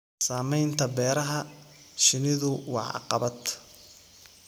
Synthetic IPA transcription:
saːmɛjnt̪ʰɐbɛːɾɐɦɐ | ʃɪnɪðʊwɑ̰ʕɑ̰qɑ̰βɐd̪

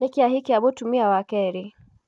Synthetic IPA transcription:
ɛkiaɦikiaɓɔtumiawakɛɾi

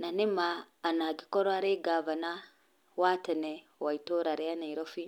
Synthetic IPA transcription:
nanimaː | naɡikɔɾoaɾeɡavana | watane | waitoɾaɾɛanaiɾofi

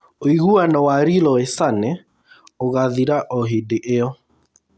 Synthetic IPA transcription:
oiɣuanɔwaɾilɔesanɛ | oɣaðiɾaʔɔɦedeʔeɔ

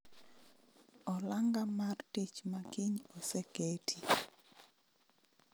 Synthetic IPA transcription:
ɔlaŋɡamartit͡ʃmakiɲoseketʰi

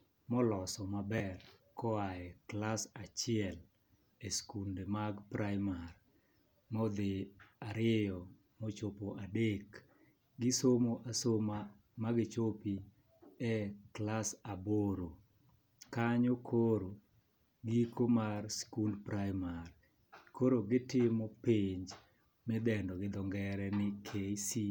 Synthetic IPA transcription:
mɔlɔsɔmabɛrkɔaɛklasat͡ʃɪɛl | eskundemaɡpɾajmar | mɔd̪ɪaɾɪɛjɔ | mot͡ʃopoʔadek | ɡɪsomoʔasoma | maɡɪt͡ʃopi | ɛklasaboɾo | kaɲokʰoɾo | ɡikomarskundpɾajmar | kʰoɾoɡɪtɪmɔpeɲd͡ʒ | mɪd̪ɛndɔɡɪd̪ɔŋɡɛɾɛnɪkʰesi

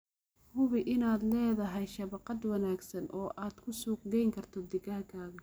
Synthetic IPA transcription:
hʊβɪʔɪnaːd̪lɛːðɐɦɛjʃɐβɑqɑd̪wɑnaːɡsɐnʔɔːʔaːd̪̥kʰʊsuːq̚d̪ɛjŋkʰɐrt̪ʰɔd̪ɪɡɐhkʰaːɣɐ

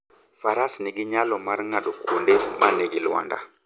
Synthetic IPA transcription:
faɾasneɡiɲalɔmaɾŋaɗɔkʰundɛmaneɡilwa̰nda̰

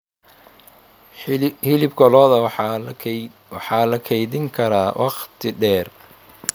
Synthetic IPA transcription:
hɪlɪbɡɔlɔːðɐ | wɑħɑːlɐkʰɛjðɪŋkʰɐɾaːwʔɑqt̪ʰɪɖɛːr

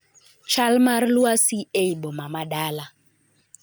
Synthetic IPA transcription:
t͡ʃalmarluasieiɓɔmamaɗala

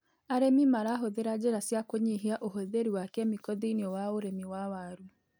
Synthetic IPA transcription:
aɾemimaɾaɦoðeɾad͡ʒeɾasjakoɲiɦiaʔoɦoðeɾiwakɛmikɔðiniɔwaoɾemiwawaɾu

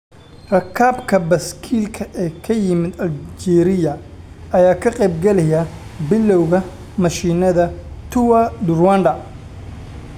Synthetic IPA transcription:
rɐkʰaːbkʰɐbɐskʰiːlkʰɐʔɛkʰɐjɪmɪd̪ɐld͡ʒɛːɾɪjɐ | ɐjaːkʰɐqɛjb̚ɡɐlɛjɐbɪlːɔwɣɐ | mɐʃiːnɐðɐ | t̪ʰʊwɐd̪ʊrwandɐ

